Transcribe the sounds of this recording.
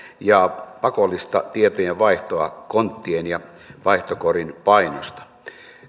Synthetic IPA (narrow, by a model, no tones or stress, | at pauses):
jɑpɑkolːist̪ɑt̪iet̪ojeʋɑiht̪oɑkont̪ːienjɑ | ʋɑiht̪okorinpɑinost̪ɑ̥